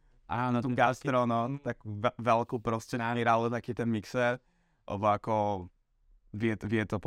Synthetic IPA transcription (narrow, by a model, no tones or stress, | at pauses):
ʔanat̪ɔmɡast̪ɾonot̪akvɛvɛlkowpɾoscɛnaviɾalot̪akɪt̪ɛnmiksɛ | ʔo̰bojako | vjɛt̪vɛt̪op